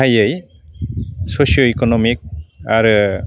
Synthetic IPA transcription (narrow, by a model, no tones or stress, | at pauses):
ajəj | sosijoikɔnɔmik̚aɾɯ